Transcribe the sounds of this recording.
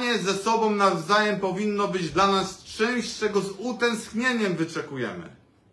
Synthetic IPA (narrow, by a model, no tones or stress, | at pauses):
ɛzɛsɔbɔ̃w̃navzajɛmpɔvʲinːɔbɘd͡ʑd̪lanast͡ʂɛ̃w̃ɕt͡ʂɛɡɔzut̪ɛ̃skɲeɲɛmvɘt͡ʂɛkujɛ̰mɘ̰